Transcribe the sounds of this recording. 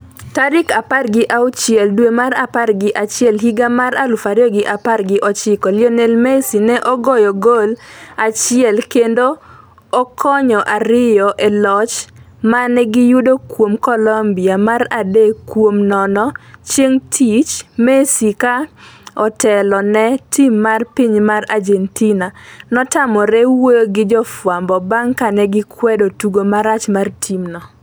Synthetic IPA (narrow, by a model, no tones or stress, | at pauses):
taɾɪkaparɡɪʔaʊt͡ʃɪɛldwemaɾaparɡɪʔat͡ʃɪɛlɦiɡamaɾalʊfaɾjɔɡɪʔaparɡɪʔɔt͡ʃɪkɔlɪɔnelmɛsinɛʔɔɡɔjɔɡolat͡ʃɪɛlkendoː | kʰɔɲɔʔaɾɪjɔʔɛlɔt͡ʃ | manɛɡɪjudokwomkɔlɔmbiamaradekːwomnɔnɔt͡ʃjeŋtʰit͡ʃmɛsikaɔtɛlɔnɛtimːarpiɲmarad͡ʒɛntinanɔtamɔɾɛwojoɡɪd͡ʒɔfwambɔbaŋkanɛɡɪkwɛdotuɡomaɾat͡ʃmartʰimnɔ